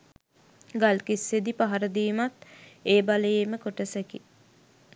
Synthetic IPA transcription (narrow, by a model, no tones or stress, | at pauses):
ɡalkisːed̪ipaɦaɾəd̪iːmat̪eːbaləjeməkoʈəsæki